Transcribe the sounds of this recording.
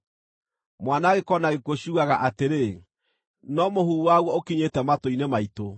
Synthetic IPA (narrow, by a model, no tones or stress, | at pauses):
mwanaːɣekɔnaɣekwoɕuːɣaɣaʔateɾe | nɔmohuuwaɣwɔokiɲetɛmatoinemaito